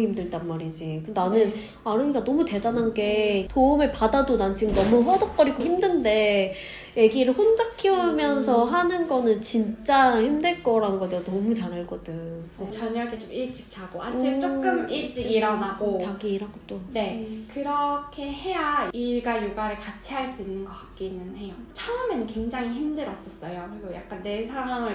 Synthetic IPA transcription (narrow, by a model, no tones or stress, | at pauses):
imdɯd͈anmaɾid͡ʑikɯnanɯn | aɾɯmiɡanʌmute̞danɦanɡe̞toumeɭpadadonanɯnt͡ɕiɡɯmnʌmuɸʌdʌk̚k͈ʌɾiɡoçimdɯnde̞ | je̞ɡiɾɯɭhond͡ʑakʰiumjʌns̬ʰʌɦanɯnɡʌnɯnt͡ɕint͡ɕ͈açimdɯɭk͈ʌɾanɯnŋɡʌdeonʌmut͡ɕaɾɦaɭk͈ʌdɯŋɯsʰet͡ɕʌɲʌkʰet͡ɕomiɭt͡ɕ͈i̥k̚t͡ɕʰaɡ̥oa̰it͡ɕ͈ok͈ɯmiɭt͡ɕ͈iɡiɾʌnaɡot͡ɕaɡiɾaɡot͈one̞kɯɾʌkʰe̞he̞jaiɭɡajuɡaɾɯɭkat͡ɕʰiɦaɭs͈uinːɯnɡʌk͈ak̚k͈inːɯnhe̞jot͡ɕʰʌɯmenɯnkwe̞ŋd͡ʑaŋiçimdɯɾʌs͈ʌs͈ʌjokɯɾiɡoja̰k̚k͈anːe̞sʰaŋɦwaŋɯɭ